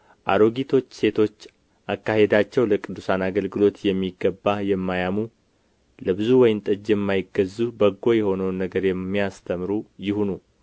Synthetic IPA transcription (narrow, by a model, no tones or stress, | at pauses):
ʔa̰ɾo̞ɡit̪ʰo̞t͡ʃːse̞t̪ʰo̞t͡ʃː | ʔakːahe̞d̪at͡ʃːɛwləkʼɨd̪ːusanaɡəlɡɨlo̞t̪jɛmːiɡːəbːajɛmːajamu | ləbɨzuwɔjmnt̪ʼɨd͡ʒjɛmːajɪɡːəzːubəɡːo̞jɛho̞nəwnːəɡəɾjɛmːijast̪ʰəmɾujɪhunu